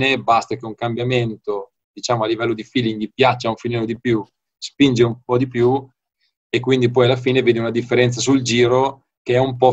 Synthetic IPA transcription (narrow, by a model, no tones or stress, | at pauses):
nebast̪akeuŋkambjament̪o | d̪̥it͡ʃaːmoalːivɛlːod̪ifiːliŋɡipjat͡ʃːauɱfilnɛːlod̪ipju | spind͡ʒeumpɔd̪ipju | ekːwind̪ipɔjalːafiːneveːd̪eunad̪ifːeɾɛnt̪sas̬uld͡ʒiːɾo | keɛumpɔ